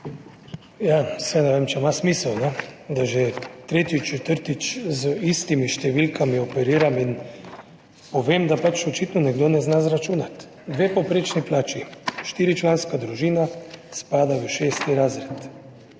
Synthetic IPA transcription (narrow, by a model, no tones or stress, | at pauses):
jasɛnɛʋemt͡ʃɛmasmiːsɛwnɛd̪aʒɛt̪ɾeːt̪it͡ʃɛt̪əɾt̪it͡ʃzəist̪imiʃt̪ɛʋilkʰamiɔpɛɾiːɾamin | pɔʋeːmd̪apat͡ʃɔt͡ʃit̪nɔnɛɡd̪onɛznazɾat͡ʃuːnat̪ | d̪ʋeːpopɾeːt͡ʃniplaːt͡ʃiʃt̪iːɾit͡ʃlaːnskad̪ɾuʒiːnaspaːd̪aʋəʃeːst̪iɾaːzɾɛt̪